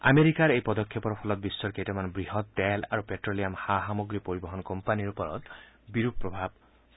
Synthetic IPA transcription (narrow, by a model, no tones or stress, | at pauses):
a̰meɾikaɾejpɔd̪ɔkʰːepɔɾpʰɔlɔt̪̚bisːɔɾkejtɔmanbɹiɦɔt̪ːɛla̰ɾupeʈɹoliamhaɦamɔɡɾipoɾibɔɦɔnkɔmpaniɾupɔɾɔ̰t̪biɾup̚pːɹɔbʱab